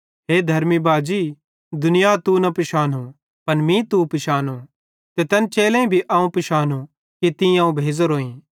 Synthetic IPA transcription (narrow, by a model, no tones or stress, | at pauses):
ɦeːd̪ʱɐɾmibaːd͡ʒiː | d̪ʊnɪjat̪unɐpɪʃaːnũ | pɐnmĩt̪upɪʃaːnõ | t̪et̪ɐnt͡ʃeːlɛ̃ĩbʱiʔaːũpɪʃaːnu | kit̪ɪ̃ãːũbʱeːd͡zoɾoːĩː